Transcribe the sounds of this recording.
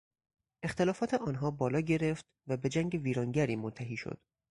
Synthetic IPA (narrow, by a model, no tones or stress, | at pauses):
e̞xt̪e̞lɒːfɒːt̪ʰeʔɒːnɦɒːbɒːlɒːɟe̞ɾe̞ft̪væbe̞d͡ʒæŋɟeviːɾɒːŋɟæɾiːmont̪ʰæɦiːʃo̰d̪̥